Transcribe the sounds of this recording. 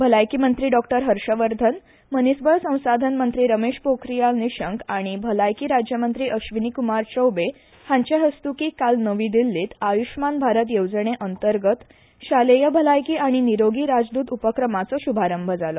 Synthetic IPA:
bʱəlajkimənt̪ɾiːɖɔkʈəɾɦəɾʂəʋəɾd̪ʱən | mənisbʱəjsə̃w̃sad̪ʱənmənt̪ɾiːɾəmeɕpokɾijalniɕəŋkaɽ̃ibʱəlajkiːɾad͡ʑjəmənt̪ɾiːʔəɕʋinikumaɾt͡ɕəwbe | hãɲt͡ɕaɦəst̪ukiːkalnəʋiːd̪ilːiːt̪ajuɕmanbʱaɾət̪jowd͡zəɳ̃eʔənt̪əɾɡət̪ | ɕalejəbʱəlajkiːaɽ̃iniɾoɡiːɾad͡zd̪uːt̪upəkɾəmat͡sɔɕubʱaɾəmbʱəd͡zalɔ

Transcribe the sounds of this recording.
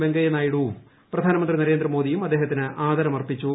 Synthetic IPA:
beŋɡɐjɐnaːjiɽu | prɐd̪ʱaːnɐmɐnd̪rinɐɾeːnd̪rɐmo̞ːd̪ijumɐd̪ːeːɦɐt̪ːinɨʔaːd̪ɐɾɐmɐrpit͡ɕːu

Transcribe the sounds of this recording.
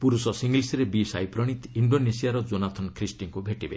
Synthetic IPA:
puɾusɔsiŋɡlisiɾebisa̰jpɾɔɽ̃it̪iɳɖonesijaɾɔd͡ʒonat̪ʰɔnkʰɾisʈiŋkubʱeʈibḛ

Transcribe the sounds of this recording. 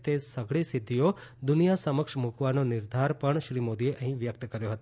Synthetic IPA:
t̪esəɡʱɭisɪd̪ʱːiod̪ʊnijasəməkʂmukʰʋanonɪɾd̪ʱaɾpəɳʃɾimod̪ieʔəɦĩʋjək̚t̪əkəɾjoɦət̪o

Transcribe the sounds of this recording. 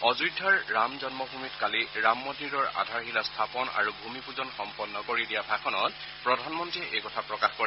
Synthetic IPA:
ɔzudʱːaɹːamzɔnmɔbʱumitkaliɹamːɔdiɹɔɹa̰dʱaɹxilastʰapɔna̰ɹubʱumipuzɔnxɔmpɔnːɔkoɹidijabʱakʰɔnɔt | pɹɔdʱanmɔntɹiɛʔejkɔtʰapɹɔkaxkɔɛ

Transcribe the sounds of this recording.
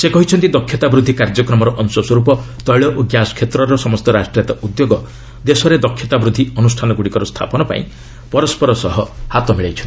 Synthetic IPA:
sekɔɦit͡ʃʰɔnt̪id̪ɔkʰːjɔt̪abɾud̪ʱːikaɾd͡ʒɔkɾɔmɔɾɔʔɔnsɔswɔɾupɔ | t̪ɔjɭɔʔoɡjasɔ̥kʰet̪ɾɔɾɔsɔmɔst̪ɔɾasʈɾijat̪ɔud̪joɡɔ | d̪esɔɾed̪ɔkʰjɔt̪abɾud̪ʱːiɔnusʈʰanɔɡuɽikɔɾɔst̪ʰa̰pɔnɔpa̰ḭ̃ | pɔɾɔspɔɾɔsɔɦɔhat̪ɔmiɭejt͡ʃʰɔn

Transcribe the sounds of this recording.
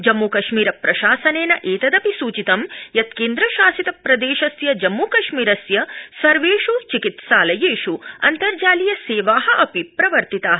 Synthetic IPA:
d͡ʒɐmːukɐʃmiːɾɐpɾɐʃaːsɐneːnɐʔeːt̪ɐd̪ɐpisuːt͡ʃit̪ɐmjɐt̪keːnd̪ɾɐʃaːsit̪ɐpɾɐd̪eːʃɐsjɐd͡ʒɐmːuːkɐʃmiːɾɐsjɐsɐɾʋeːʃut͡ʃikit̪ʃaːlɐjeːʃuɐ̰nt̪ɐɾd͡ʒaːlijɐseːʋaːɦɐʔɐpipɾɐʋɐɾt̪it̪aːɦɐ

